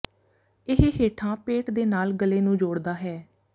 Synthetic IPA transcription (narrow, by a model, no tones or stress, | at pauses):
ɪɦɦeːʈʰãːpeːʈd̪eːnaːlɡəlːeːnũːd͡ʒoːɽd̪aːɦɛː